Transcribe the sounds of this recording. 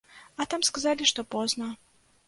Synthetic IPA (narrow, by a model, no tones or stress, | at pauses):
at̪amskazalʲiʂt̪ɔpɔznɐ